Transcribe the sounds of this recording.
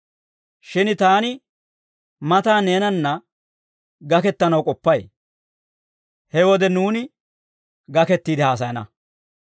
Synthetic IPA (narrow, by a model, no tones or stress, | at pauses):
ʃɪnt̪aːnɪ | mɐt̪aːne̞ːnɐnːɐ | ɡɐkɛt̪ːɐnɐwkʼɔpːɐj | hɛwɔd̪ɛnuːnɪ | ɡɐkɛt̪ːiːd̪ɪhaːs̬ɐjɐnɐ̰